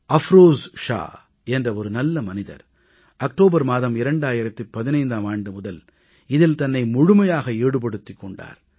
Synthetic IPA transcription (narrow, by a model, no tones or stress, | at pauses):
ɐfɾoːzʂa̰ː | ɛndrɐɔɾɯnɐlːɐmɐnɪðɐ̰ɾ | ɐk̚ʈoːbɐɾmaːðɐmɪɾɐɳɖaːjɪɾɐt̪ːɯpːɐðɪnɐɪnd̪aːmaːɳɖɯmʊðɐl | ɪðɪlt̪ɐnːɐɪmʊɻʊmɐjaːɣɐeːɽɯp̬ɐɽɯt̪ːɪkːɔɳɖa̰ːɾ